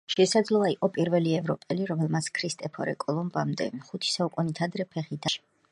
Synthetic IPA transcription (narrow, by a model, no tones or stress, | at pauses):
ʃɛsad̪zlˠɔaiqʼɔpʼiɾvɛliɛvɾɔpʼɛliɾɔmɛlˠmat̪sʰkʰɾist̪ʼɛpʰɔ̰ɾɛ̰kʼɔlˠɔmbamd̪ɛ̰χut̪ʰi̥saukʼunit̪ʰad̪ɾɛpʰɛχid̪aʃi̥